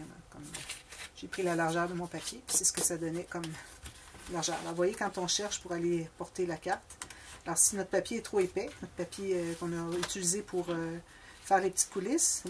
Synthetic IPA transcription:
nã̰kɔmʒ̥epʁilalaʁʒœːʁd̪əmɔ̃papʲjepi̥sɛsə̥kəsad̪ɔnɛkɔm | laʁʒœːʁa̰lɑ̰ʁvwajekɑ̃t̪ɔ̃ʃɛʁʃpuʁalepɔʁt̪elakaʁt̪alɔːʁsinɔt̪χəpapʲjeɛt̪χoepɛnɔt̪χpapjeøkɔ̃nɔyt̪t͡silizepʰuʁø | fɛːʁlepə̥t̪i̥t̪̚kʰulɪs

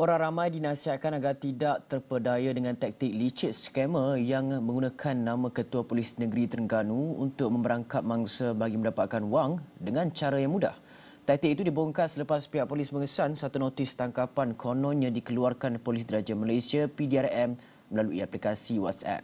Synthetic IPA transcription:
ʔoɾaŋramãjdinãsiɦat̪̚kanaɡart̪idaʔt̪ərpədajadəŋãnt̪ɛk̚t̪ɪk̚lit͡ʃɪt̪̚skɛməjaŋmə̃ŋɡunãkʰanːãmãkət̪uapolisnəɡəɾit̪ərŋɡanũṵnt̪ʊk̚mə̃mbəɾaŋkat̪̚mãŋsəbaɡimə̃ndapat̪̚kanwaŋdəŋãnt͡ʃaɾajaŋmuda̰h | t̪ɛk̚t̪ik̚it̪udiboŋkat̪sələpaspiaʔpolisməŋəsansat̪unot̪ɪst̪aŋkapankʰonɔ̃nɲãdikəluarkanpolisɡəɾad͡ʒamalajsiapidiarɛm | məlaluiaplikasiwɔ̰t̪sɛ̰p̚

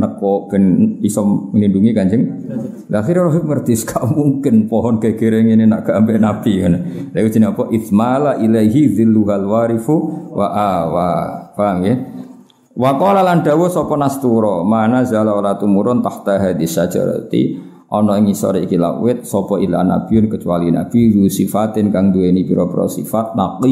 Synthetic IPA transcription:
nəkɔɡ̥ənbisɔəlinduŋikand͡ʒəŋ | laxiɾaɾɔɦɪŋərd̪̥iskʰaʔmuŋkɪnpɔɦɔnɡ̥aɡ̥eɾeŋininaʔɡ̥ambɛʔnapikanlaiwid̥d͡ʒ̥i̤niɔpɔʔɪθmalaʔilajɦiðɪlːuɦalwaɾifuwaʔawawamjɛ | wakɔlalandawɔsɔpɔnast̪uɾɔmanazalaɔlat̪umuɾʊnt̪aht̪aɦad̪isḁd͡ʒa̰ɾə̰t̪ḭ | ʔɔnɔɪŋisɔ̰ɾiikila̰ʔwɪt̪̚sɔpɔila̰na̰b̥iʊnkət͡ʃualina̰biusifat̪ɪnkaŋd̪ueinipiɾɔpəɾɔ̰sḭfat̪̚naqi

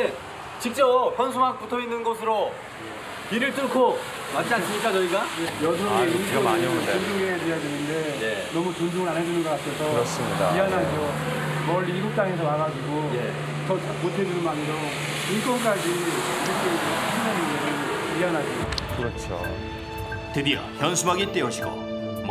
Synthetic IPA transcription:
e | t͡ɕik̚t͡ɕ͈ʌɡopʰjʌnsʰumak̚p͈utʰoinːɯnɡʌsʰɯɾo | kiɾɯɭt͈ɯɭkʰo | mat͡ɕ͈ians͈ɯmɲik͈at͡ɕʌiɡaejʌduɡeinkoond͡ʑuŋɡejadwejadwenɯnde̞jenʌmut͡ɕond͡ʑuŋɯɭanɦed͡ʑunɯnɡʌk͈atʰesʰʌɯɾʌs͈ɯmɲida̰ianɦaʌ | mʌɭːiːɡuk̚t͈aŋe̞sʰʌmaɡad͡ʑiɡoj | t͡ɕʌt͡ɕamotʰe̞d͡ʑunɯnmaniɾo | ink͈ʌnk͈ad͡ʑiiɾʌk͈ʰed͡ʑʌɕʰinaminesʰʌniɦaŋnɦad͡ʑiikɯɾʌt͡ɕʰo̰ | tedia̰hjʌnsʰumaɡit͈euɕʰiɡo̰

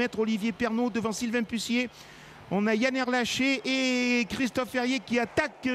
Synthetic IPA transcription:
ɛt̪χɔlivjepɛʁnod̪əvɑ̃silvɛ̃pysje | ɔ̃najanɛʁlaʃeʔekχist̪ɔfːɛʁjekʲiat̪ak

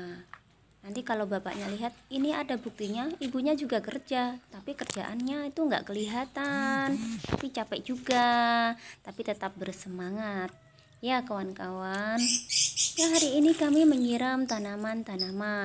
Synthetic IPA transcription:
nant̪ikalawbapa̰ʔɲaliɦat̪̚iniadabuk̚t̪iɲaibuɲad͡ʒuɡakərd͡ʒat̪apikərd͡ʒa̰ʔanɲait̪uŋɡa̰ʔkəliɦat̪ant̪a̰pit͡ʃapɛʔd͡ʒuɡaː | apit̪ət̪ap̚bərsəmaŋat̪̚ | jakawankawanjaɦaɾiːnikamiməɲiɾamt̪anamant̪anama

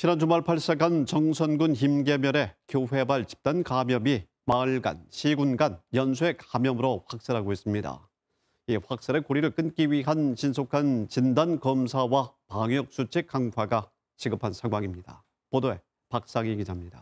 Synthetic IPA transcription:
t͡ɕʰinant͡ɕomaɭpʰaɭs͈ekant͡ɕʌŋsʰʌnɡunçimɡe̞mjʌɾe̞kjoɸwe̞baɭt͡ɕi̥p̚t͈ankamjʌbi | maɭɡa̰nɕʰiɡunɡanjʌnsʰue̞kamjʌmɯɾoɸwak̚s͈ɯɾɦaɡoɦes͈ɯmɲida̰ | iɸwak̚s͈ɯɾe̞koɾiɾɯɭk͈ɯnk͈iɥiɦant͡ɕinsʰokʰant͡ɕindankʌmsʰawapaŋjʌk̚s͈ut͡ɕʰek͈ːaŋɸwaɡa | t͡ɕiɡɯpʰansʰaŋɡwaŋimɲida̰ | podoe̞ | pak̚s͈aŋikid͡ʑaɦmɲida

